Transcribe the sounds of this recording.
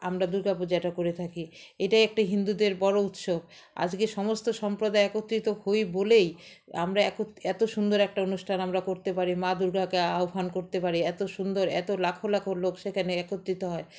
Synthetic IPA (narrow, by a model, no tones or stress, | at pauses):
amɾad̪uɾɡʱapod͡ʑaʈakoɾet̪ʰakiejʈajɛk̚ʈaɦind̪ud̪eɾbɔɾout̪ʃob | a̰d͡ʑɡeʃɔmost̪oʃɔmpɾod̪aeɛkot̪ːɾit̪ohojbolej | a̰mɾaɛkot̪ɛt̪oʃund̪oɾɛk̚ʈaonuʃʈʰanamɾakoɾt̪epaɾimad̪uɾɡakeaofankoɾt̪epaɾiɛt̪oʃund̪oɾɛ̰t̪olakʰolakʰoɾlokʃekʰaneɛkot̪ːɾit̪oɦɔe